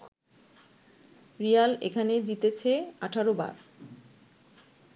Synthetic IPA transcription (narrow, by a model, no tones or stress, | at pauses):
ɾijalḛkʰaned͡ʑit̪et͡ɕʰeaʈʰaɾoba̰ɾ